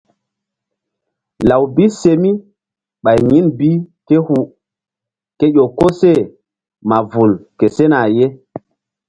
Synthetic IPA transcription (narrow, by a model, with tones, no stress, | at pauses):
la˨wbi˦se˨mi˦ | ɓa˨jɲi˦nbi˦ke˦hu˨ | ke˦jʲo˨ko˦se˦˨ | ma˨vu˨lke˨se˦na˨je˦